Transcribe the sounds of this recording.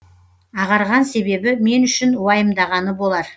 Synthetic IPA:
ɑʁɑɾʁɑnse̞be̞bɪme̞nʏʃɪnwɑjəmd̪ɑʁɑnəbo̞lˠɑɾ

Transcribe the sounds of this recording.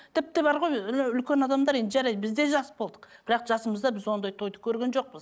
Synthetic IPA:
t̪ʰɪp̚t̪ɪbɑɾʁo̞jʏlkʲe̞nɑd̪ɑmd̪ɑɾe̞nd̪ɪʒæɾɑjd̪bɪzd̪e̞ʒɑsbo̞lˠd̪ə̥qb̥ɪɾɑqʒɑsəməzd̪ɑbɪzwo̞nd̪ɑjt̪ʰo̞jd̪əkʲʰɵɾɡʲe̞nʒo̞q̚bəz

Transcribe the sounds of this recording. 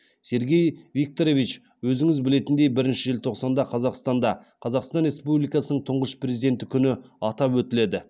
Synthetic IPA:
se̞ɾɡʲe̞jvik̚t̪oɾo̞vit͡ʃ | wɵzɪŋɪzbɪle̞t̪ɪnd̪e̞jbɪɾɪnʃɪʒɪlt̪ʰo̞qsɑnd̪ɑqʰɑzɑqst̪ɑnd̪ɑqʰɑzɑqst̪ɑnɾe̞spublijkɑsənəɴt̪ʰʊɴʁəʃprʲe̞zid̪e̞nt̪ɪkʲʰʏnɪɑt̪ɑpwɵt̪ɪle̞d̪ɪ

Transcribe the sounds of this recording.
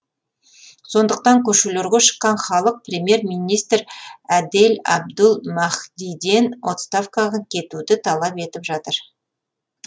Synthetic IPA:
so̞nd̪əq̚t̪ɑŋkʲʰɵʃuleɾɡʲeʃə̥qːɑnχɑlˠəq̚prʲemʲje̞ɾmijnijst̪ɾæd̪elɑ̰b̚d̪ʊlˠmɑχd̪ijd̪e̞nwo̞t̪st̪afkɑʁɑkʲʰe̞t̪ud̪ɪt̪ʰɑlˠɑpe̞t̪ɪpʒɑt̪əɾ

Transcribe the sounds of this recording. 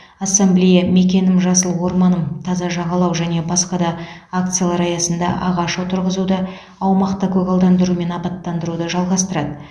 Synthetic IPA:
asemblʲejame̞kʲe̞nɪmʒɑsəlˠwo̞ɾmɑnəmt̪ʰɑzɑʒɑʁɑlˠɑwʒæne̞bɑsqɑd̪ɑak̚t̪sɨjalˠɑɾɑjɑsənd̪ɑ̰ʔɑʁɑʃot̪ʰəɾʁəzud̪ə | ɑwmɑqt̪əkʲʰɵɡɑlˠd̪ɑnd̪əɾume̞nɑpɑt̪ːɑnd̪əɾud̪əʒɑlˠʁɑst̪əɾɑd̪ə

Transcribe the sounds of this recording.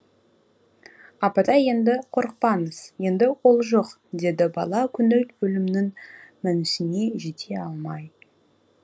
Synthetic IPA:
ɑpɑd̪ɑje̞nd̪ɪqʰoɾəq̚pɑnəz̥je̞nd̪ɪwo̞lˠʒo̞q | d̪e̞d̪ɪbɑlˠɑkʲʰʏnɪlt̪bɵlɪmnɪŋmɪnɪsɪne̞ʒet̪ʰe̞ɑlˠmɑj

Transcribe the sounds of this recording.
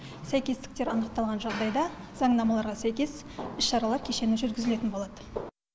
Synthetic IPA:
sæjkʲe̞zt̪ɪ̥k̚t̪e̞ɾɑnəq̚t̪ɑlˠʁɑnʒɑʁd̪ɑjd̪ɑz̥ɑŋd̪ɑmɑlˠɑɾʁɑsæjkʲe̞s | ɪʃʃːɑɾɑlˠɑɾkʲʰe̞ʃe̞nʒʏɾɡʲɪzɪle̞t̪ɪnbo̞lˠɑd̪ə

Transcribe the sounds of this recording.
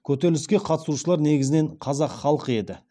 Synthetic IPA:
kʲʰɵt̪elɪskʲe̞qʰɑt̪ə̥suʃəlˠɑɾne̞ɡʲɪzɪne̞ɴqʰɑzɑqχɑlˠəqəe̞d̪ɪ

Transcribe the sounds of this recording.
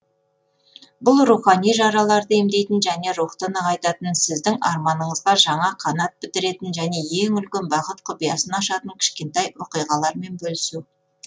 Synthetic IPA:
bʊlˠɾuχɑnijʒɑɾɑlˠɑɾd̪əemd̪e̞jt̪ɪnʒæne̞ɾuχt̪ənəqɑjt̪ɑt̪ənsɪzd̪ɪŋɑɾmɑnəɴəzdɑʒɑɴɑqʰɑnɑt̪̚bɪt̪ɪɾe̞t̪ɪnʒæne̞je̞ŋʏlkʲenbɑqət̪qʰʊpijɑsənɑʃɑt̪əŋkʲʰɪ̥ʃkʲe̞nt̪ɑjwoqijʁɑlˠɑɾme̞nbɵlɪsuw

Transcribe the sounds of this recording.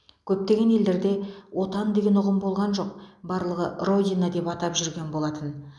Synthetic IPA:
kʲʰɵp̚t̪e̞ɡʲe̞ne̞ld̪e̞ɾd̪e̞wo̞t̪ɑnd̪e̞ɡʲe̞nʊʁəmbo̞lˠʁɑnʒo̞q̚bɑɾlˠəʁə̰ro̞dʲinad̪e̞pɑt̪ɑpʒʏɾɡʲe̞nbo̞lˠɑt̪ən

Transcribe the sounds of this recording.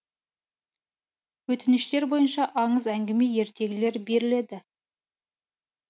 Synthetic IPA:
wɵt̪ɪnɪʃt̪e̞ɾbo̞jənʃɑʔɑɴəzæŋɡʲɪme̞je̞ɾt̪ʰe̞ɡʲɪle̞ɾbe̞ɾɪle̞d̪ɪ

